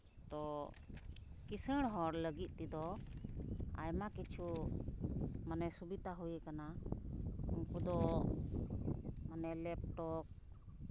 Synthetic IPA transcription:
t̪ɔ | kisəɽ̃ɦɔɾləɡit̪̚ˀt̪id̪ɔ | a̰jmakit͡ʃʰu | manɛsubit̪aɦujəkana | uŋkud̪ɔ | manɛlɛp̚ʈɔk̚

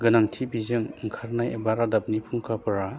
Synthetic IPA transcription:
ɡɯnaŋtʰibizɯŋŋ̩kʰaɾnajebaɾadap̚nipʰuŋkʰapɯɾa

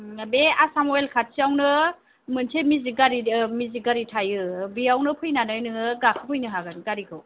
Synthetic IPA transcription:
beasamoelkʰat̚siawnɯ | mɯnsʰemiziɡaɾimiziɡaɾitʰajɯbiawnɯpʰɯjnanajnɯŋɯɡakʰɯpʰɯjnɯɦaɡɯnɡaɾikʰɯw

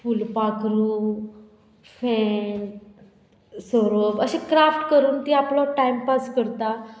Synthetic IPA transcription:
fulpakɾu | fɛ | sɔɾoʋəɕekɾafʈkəɾuːnt̪iːaplɔʈaimpaskəɾt̪a

